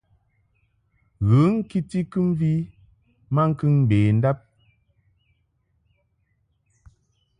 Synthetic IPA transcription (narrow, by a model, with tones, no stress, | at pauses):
ɣɨ˨˦ŋ̩˦ki˦ti˦kɨ˦mvi˦ | ma˦ŋ̩˦kɨ˦ŋ˨beː˨n̩˦da˦p̚